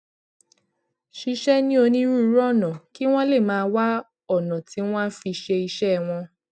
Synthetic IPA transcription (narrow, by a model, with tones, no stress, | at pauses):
ʃi˧ʃɛ˦nĩ˦o˧nĩ˦ɾu˦˧˦ɾɔ˦˨nã˨ki˦w̃ɔ̃˦le˦˨mãː˨˦˧wa˦ | ɔ˦˨nã˨ti˨˦w̃ɔ̃˦fi˧ʃe˧i˧ʃɛ˦˨w̃ɔ̃˧